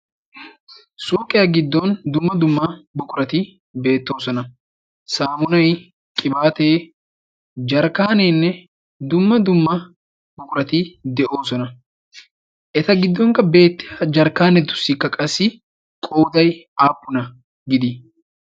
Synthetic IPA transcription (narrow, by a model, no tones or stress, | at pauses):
soːkʼːɪjɐɡɪd̪ːɔnd̪ʊmːɐd̪ʊmːɐbʊkʼʊɾɐt̪ɪ | be̞ːt̪ːo̞ːsɔnɐ | saːmʊnɐj | kʼɪbaːt̪eː | d͡ʒɐɾkaːneːnːɛ | d̪ʊmːɐd̪ʊmːɐ | bʊkʼʊɾɐt̪ɪd̪ɛʔo̞ːsɔnɐ | ʔɛt̪ɐɡɪd̪ːɔŋkɐbe̞ːt̪ːɪjɐd͡ʒɐɾkaːnɛd̪ʊ̥sːɪkːɐkʼɐsːɪ | kʼoːd̪ɐjaːpːʊnɐ | ɡɪd̪ɪ